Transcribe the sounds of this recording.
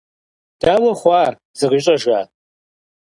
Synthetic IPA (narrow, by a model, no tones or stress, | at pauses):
d̥aːwɐχʷɑːr | z̥ɨʁiɕʼɐʒa̰ː